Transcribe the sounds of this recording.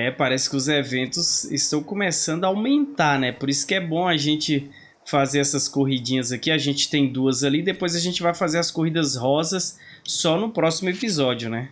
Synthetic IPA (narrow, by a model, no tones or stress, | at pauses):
ɛpaɾɛsɪ̥kɪʊzevẽnt̪ʊzɪ̰st̪ɐ̃w̃kõmesɐ̃nd̪ʊaawmẽnt̪anɛpoɾisʊ̥kɪɛbõaʒẽnt͡ʃɪ | fazeɾɛsɐskoɦid͡ʒĩɲɐzakiaʒẽnt͡ʃɪ̥t̪ẽj̃d̪uɐzalid̪epojzaʒẽnt͡ʃɪvajfazeɾɐskohid̪ɐzɦɔzɐsː | ɔnʊpɾɔsimʊepizɔd͡ʒiʊnɛ